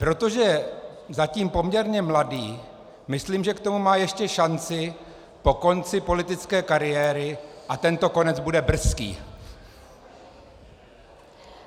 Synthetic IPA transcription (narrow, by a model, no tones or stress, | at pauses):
pɾo̞t̪o̞ʒɛzaciːmpo̞mɲɛɾɲɛmladiː | mɪsliːmʒɛkt̪o̞mumaːjɛʃcɛʃant͡sɪ | po̞ko̞nt͡sɪpo̞lɪt̪ɪt͡skɛːkaɾɪjɛːɾɪʔat̪ɛnt̪o̞ko̞nɛd͡zbudɛbr̩skḭː